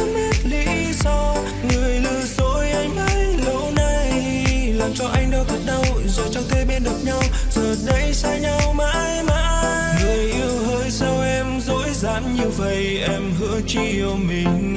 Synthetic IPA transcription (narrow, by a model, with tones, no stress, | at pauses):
mi˦˥t̚lḭ˧˥ | sɔ˧w | ŋɨ˨˩əjlɨ̰˧zo˧˥jʔa˧jŋ̟ʔə˧jlə˧˥na˧˩j | laː˨˩mt͡ɕɔ˧ʔa˧jŋ̟ɗɔ˧ɣə˨˩t̚ɗə˧wzo˨˩jt͡ɕɔ˧wt̪ʰe˧ɓɛ˧nɗɨ˨˩p̚ɲa˧wzəː˨˩ɗə˧˥jsa˧ɲa˧wma̰ː˧˥jmaː˧˥ | nə˨˩jʔi˧əwhəː˧jsa˧wʔɛ˧mzo̰˧˥jza̰ː˧˥nɲɨ˧və̰˧˨j | ʔɛ˧mhɨ̰˧˥ət͡ɕi˧ə˧ŋ͡mmi˨˩ŋ̟